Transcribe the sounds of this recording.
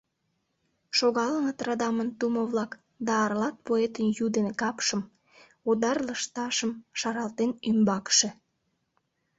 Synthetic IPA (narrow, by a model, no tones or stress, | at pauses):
ʃoɣɑlənət̪rɑd̪ɑmənt̪umoβlɑk | d̪ɑːrlɑt̪̚poet̪ənjud̪enkɑpʃəm | od̪ɑrləʃt̪ɑʃəmʃɑɾɑlt̪enymbɑkʃĕ